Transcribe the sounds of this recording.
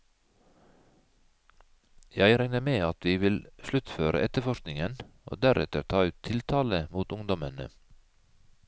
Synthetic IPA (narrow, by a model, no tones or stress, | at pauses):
jæɪɾæŋnəmeːɑt̪ʋiːʋɪlʃlʉt̪føːɾə̰ʔɛt̪əfɔʃknɪŋəno̰ːd̪æɾʔɛ̰t̪əɾt̪ʰɑːʉːt̪ʰɪlt̪ʰɑːləmuːt̪ʊŋd̪ɔmənə̰